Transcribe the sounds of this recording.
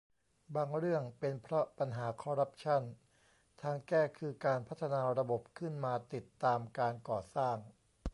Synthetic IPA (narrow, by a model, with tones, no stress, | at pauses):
baː˧ŋɾɯ˥˩əŋpe˧npʰɾɔ˦˥pa˧nɦaː˩˦kʰɔː˧ɾa˦˥p̚t͡ɕʰa˥˩n | t̪ʰaː˧ŋkɛː˥˩kʰɯː˧kaː˧npʰa˦˥t̪ʰːa˧naː˧ɾa˧bo˨˩p̚kʰɯ˥˩nmaː˧t̪i˨˩t̪ːaː˧mkaː˧nkɔː˨˩saː˥˩ŋ